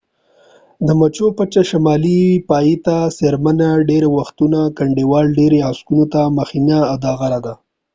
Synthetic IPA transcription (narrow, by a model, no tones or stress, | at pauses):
d̪əmat͡ʃopat͡ʃaʃamɑlipɑjit̪aseɾmanaɖeɾawaxt̪unakaɳɖewɑlɖeɾeaskunot̪amaxinaːd̪ɑɣaɾad̪a